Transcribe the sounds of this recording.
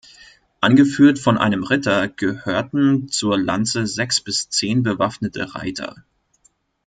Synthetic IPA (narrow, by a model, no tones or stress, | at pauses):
ʔanɡəfyːɐtfɔnʔa̰ɪnəmʁɪtʰɐɡ̥əhøːɐtn̩t͡suːɐla̰nt͡səzɛksb̥ɪst͡seːnbəvafnətʰə̰ʁa̰ɪtʰɐ̰